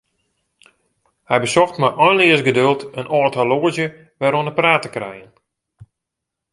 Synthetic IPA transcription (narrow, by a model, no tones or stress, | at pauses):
hɛjbəsɔxtmaʔɔjnlɪəsɡədølˠtənɔtʰaloəzjə | ʋɛɾoənəpraːtəkrɛ̰jən